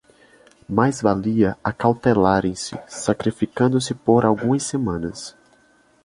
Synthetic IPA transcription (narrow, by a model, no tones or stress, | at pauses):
majzvaliɐakawt̪elaɾẽj̃sɪ̰sakɾifikɐ̃nd̪ʊsɪpoɾawɡũɐsemɐ̃nɐ̰s